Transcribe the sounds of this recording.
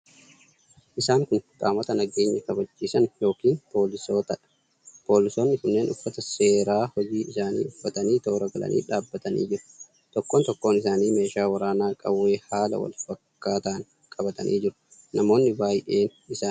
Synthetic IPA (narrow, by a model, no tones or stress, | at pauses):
ʔɪsaːŋkʊnkʼa̰ːmɐt̪ɐnɐɡe̞ːɲːɐkɐbɐt͡ʃːiːsɐnjo̞ːkiːnpo̞ːlɪsoːt̪ | po̞ːlɪsoːnːɪkʊnːe̞ːnʊfːɐt̪ɐse̞ːɾaːhɔd͡ʒiːɪsaːnḭːʊfːɐt̪ɐniːt̪o̞ːɾɐɡɐlɐ̰nʔḭːᶑaːbːɐt̪ɐnḭːd͡ʒɪɾʊ̥ | t̪ɔkːont̪ɔkːo̞ːnɪsaːniːme̞ːʃaːwɐɾaːnaːkʼɐwːe̞ːhaːlɐ̰wɐ̰lfɐkːaːt̪ɐːŋ | kʼɐbɐt̪ɐnʔḭːd͡ʒɪɾʊ̥ | nɐmo̞ːnːɪbaːjʔeːnɪsaːn